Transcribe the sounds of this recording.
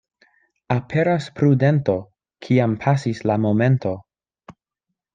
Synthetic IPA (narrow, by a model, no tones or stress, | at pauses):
apʰe̞ɾaspɾude̞nto̞ | kʰiampʰasislamo̞me̞ntʰo̞